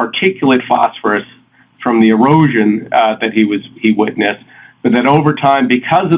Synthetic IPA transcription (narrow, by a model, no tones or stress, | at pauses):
ə˞tʰɪkʰjl̩ˠɨtfɑ̰sfə˞ɨs | fɹʌ̃mðiɨ˞oʊʒɨ̃nðɨt̚hiwʌziwɪtⁿnɨs | b̥ʌt̪̚ðɨɾoʊvə˞tʰãɪ̃mbɨkʰʌzʌ